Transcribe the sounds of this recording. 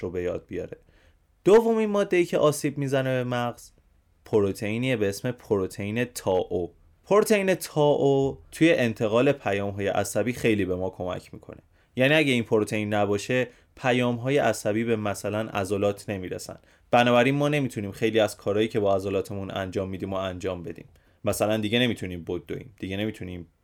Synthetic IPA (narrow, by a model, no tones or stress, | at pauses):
ɾobe̞jɒ̰ːd̪̚bijɒ̰ɾe | d̪̥ovːo̞minmɒːd̪ːe̞iːcʰe̞ʔɒːsiːb̚miːzæne̞be̞mæɣz̥ | pʰoɾot̪ʰeiːniebeesme̞pʰoɾot̪ʰejiːne̞t̪ʰɒːʔo | pʰoɾot̪ʰe̞iːne̞t̪ʰɒːʔot̪ʰuje̞ʔent̪ʰe̞ɣɒːle̞pʰæjɒːmɦɒːje̞̰ʔæ̰sæbiːxe̞jliːbe̞mɒːkʰo̞mæ̰cʰmiːkʰo̞̰ne̞ | jæniːæɟeiːnpʰoɾot̪ʰeinːæbɒːʃe̞ | pʰæjɒːmɦɒːje̞ʔæsæbiːbe̞mæsælænʔæ̰zɒlɒːt̪ʰne̞miːɾḛsæ̰n | b̥ænɒːbæɾiːnmɒːne̞mit̪ʰuniːmxe̞jliːæz̥kʰɒːɾɒːjiːcʰe̞bɒːæzɒlɒːt̪ʰe̞munæ̰nd͡ʒɒːmːiːd̪iːmoænd͡ʒɒːmbe̞d̪ḭːmː | æsælænd̪iɟe̞ne̞mit̪ʰuniːmbod̪ːo̰ḭːmd̪̥iɟe̞ne̞mit̪ʰuniːm